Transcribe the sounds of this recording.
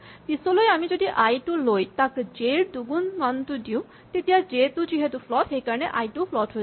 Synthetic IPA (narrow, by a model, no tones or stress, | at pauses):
t̪isolojamid͡ʒod̪iʔajʈulojt̪akd͡ʒeɾd̪uɡunmant̪ud̪iũ | t̪et̪iad͡ʒet̪ud͡ʒiɦet̪upʰlɔtɦejkaɾɔneʔajʈupʰlɔʈɦo